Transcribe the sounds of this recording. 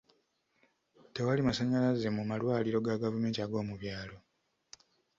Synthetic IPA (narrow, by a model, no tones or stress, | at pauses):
te̞walimasaɲalaze̞mumalwaːliɾo̞ɡaɡavume̞ːntiaɡo̞ːmuβjaːlo̞